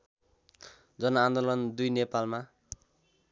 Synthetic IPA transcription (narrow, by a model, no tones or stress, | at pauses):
d͡zʌnʌːnd̪olʌnd̪ujnepalma